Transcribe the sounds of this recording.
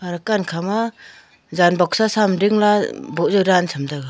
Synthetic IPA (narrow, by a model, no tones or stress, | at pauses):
aɾakankʰama | zanbɔk̚sasamɾiŋlabɔzɔɾansʰamdaɡa